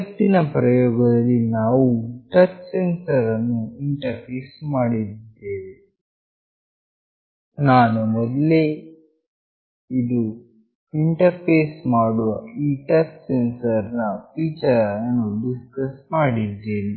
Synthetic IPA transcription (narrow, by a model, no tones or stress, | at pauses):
ɐt̪ːinɐpɾɐjoːɡɐd̪ɐlːinaːwuʈɐt͡ʃsensɐɾɐnːuiɳʈɐɾpʰeːsmaːɽid̪eːʋe | naːnumɔd̪le | id̪u | iɳʈɐɾpeːsmaːɽuʋɐiːʈɐt͡ʃsensɐɾnɐpiːt͡ʃɐɾɐɐnuɖiskɐsmaːɽid̪ːeːni